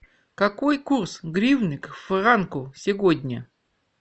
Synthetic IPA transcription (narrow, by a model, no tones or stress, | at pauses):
kɐkojkursɡɾʲivnɨkfrankʊsʲɪɡodʲnʲə